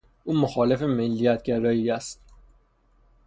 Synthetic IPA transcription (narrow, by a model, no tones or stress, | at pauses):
ʔuːmoxɒːle̞femelːijæt̪̚ʰɟæɾɒːjiːæst̪̚